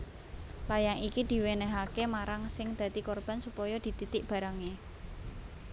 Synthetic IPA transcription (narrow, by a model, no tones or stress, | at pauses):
lajaŋikid̪̥i̤wenɛɦakemaɾaŋsɪŋd̪̥ä̤t̪ikorb̥a̤nsupɔjɔd̪̥i̤t̪it̪ɪk̚b̥a̤ɾaŋe